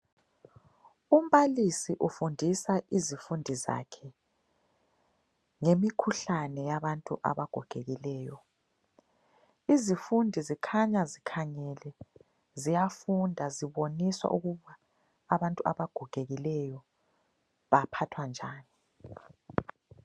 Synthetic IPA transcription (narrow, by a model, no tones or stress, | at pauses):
um̩βalisiʔufundʱisaʔizifundʱiza̰kʰɛ | ŋemikʰuɬanɛjaβantʼuʔa̰βaɡ̥ʱuɡ̥ʱeɣilɛːjɔ | izifundʱizikʰaɲazikʰaɲɛlɛ | zijafundʱaziβoniswa̰ʔuɣuβaː | βantʼuʔa̰βaɡ̥ʱuɡ̥ʱeɣilɛjɔ | βapʰatʰwand͡ʒʱaːni